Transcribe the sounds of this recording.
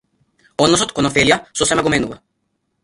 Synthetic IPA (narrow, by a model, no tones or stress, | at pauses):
ɔd̪nɔsɔt̪kɔnɔfɛlijasɔsɛmɛɡomɛnuva